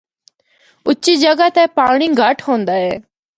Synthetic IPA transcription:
ʊːiːd͡ʒəɡaːt̪ɛːpaːɽ̃iːɡʱəʈʰɦõːnd̪aːɦɛː

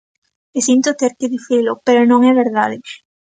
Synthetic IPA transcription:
esint̪ot̪eɾkeðiθilopeɾonõŋɛβeɾðaðe

